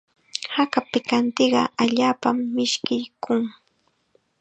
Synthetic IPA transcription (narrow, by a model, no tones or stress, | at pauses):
hakapɪkant̪eɢɑ̰aʎaːpamːɪʃkɪjkʰʊŋ